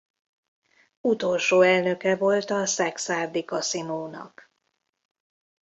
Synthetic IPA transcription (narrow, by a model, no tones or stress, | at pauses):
ut̪o̞lʃoːɛlnø̞kɛvo̞lt̪ɒsɛksaːrd̪ikɒsimoːnɒ̰k